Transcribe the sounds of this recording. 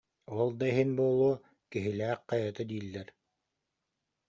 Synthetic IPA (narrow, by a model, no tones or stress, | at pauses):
ɔɔlˠd̪aɦinbuɔlˠuɔ | kiɦilæːq̚qɑjat̪ɯd̪iːlːɛɾ